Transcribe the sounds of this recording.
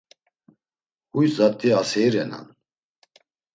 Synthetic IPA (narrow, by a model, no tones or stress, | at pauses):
hujzat̪ʼːiasɛjɾɛna̰n